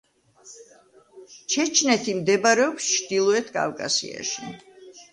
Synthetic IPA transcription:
t͡ʃʰɛt͡ʃʰnɛt̪ʰimd̪ɛbaɾɛɔpst͡ʃʰd̪ilˠɔɛt̪ʰkʼa̰vkʼa̰sḭa̰ʃi

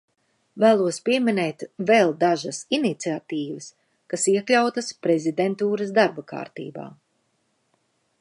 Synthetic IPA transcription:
væːlˠuɔspiɛminɛːt̪vɛlˠd̪aʒɐsinit̪siat̪iːvəs | kasiɛklʲawt̪ɐspɾɛzid̪ent̪uːɾɐsd̪aɾbɐka̰ːɾt̪ḭːba̰ː

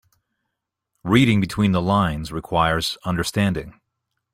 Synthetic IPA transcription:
ɹiɾɪ̃ŋbɨtʰw̥ĩnðəlãɪ̃nzɹɨkʰw̥aɪə˞z̥ʌ̃ndə˞stæ̃ndɪ̰̃ŋ

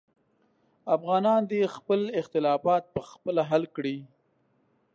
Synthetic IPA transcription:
afɣɑnɑnd̪expəlɪxt̪ɪlɑfɑt̪̚pəxpəlaɦalkɽi

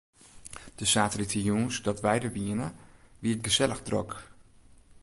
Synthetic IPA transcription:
d̥əsaːtəlitəjunsdɔtʋɛjdəʋiənəʋiət̚ɡəzɛləɣdrɔ̰k

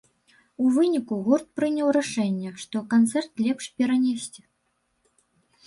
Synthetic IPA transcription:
uvɨnʲikuɣɔrt̪̚pɾɨnʲɐwɾaʂɛnʲːɛʂt̪ɔkant̪sɛrt̪lʲɛpʂpʲɛɾanʲɛsʲt͡sʲɛ

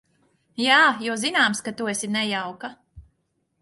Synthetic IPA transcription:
jaːjuːzinaːmskat̪uesʲinɛjawka

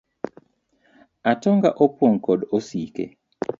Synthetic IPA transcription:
atɔŋɡa̰ʔopwoŋkɔdosikḛ

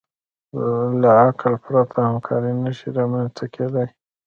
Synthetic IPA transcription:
laaklpɾat̪ʰahamkʰɑ̰ɾinaʃiɾɑmanst̪akʰed̪aj

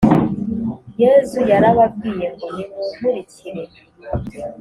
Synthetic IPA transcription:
jezujaɾaβab̚ɡiːjeŋɡujemuɾiciɾe

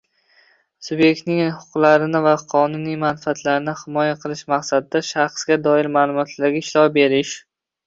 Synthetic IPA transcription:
sʊbje̞k̚ʲt̪nɪŋhʊ̥qʰʊqlˠaɾɪnɪvaqʰɒnʊnijmanfat̪laɾɪnɪhɪmɒjaqʰɨlˠɪʃmaqsad̪ɪd̪aʃaχsɡʲad̪ɒɪɾmaːlˠʊmɒt̪ʰlaɾɡʲaɪʃlɒbe̞ɾɪʃ

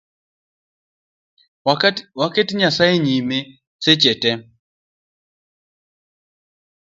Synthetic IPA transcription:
waketiɲasaeɲime | set͡ʃɛtɛ

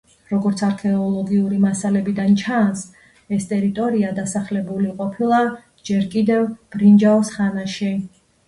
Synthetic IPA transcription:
ɾɔɡɔɾt̪sʰaɾkʰɛɔlˠɔɡiuɾimasalɛbid̪ant͡ʃʰans | ɛst̪ʼɛɾit̪ʼɔɾiad̪asaχlɛbuliqʼɔpʰilˠa | d͡ʒɛɾkʼid̪ɛvb̥ɾind͡ʒaɔsχanaʃi

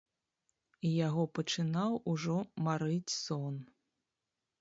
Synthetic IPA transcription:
ijaɣɔpɐt͡ʂɨnawuʐɔmaɾɨt͡sʲsɔn

